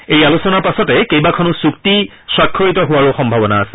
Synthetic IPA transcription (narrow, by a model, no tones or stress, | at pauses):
ejalusɔnaɹpasɔtɛkejbakʰɔnusukti | sɹakʰːoɹitɔɦʊwaɹuxɔmbʱabɔnaːsɛ̥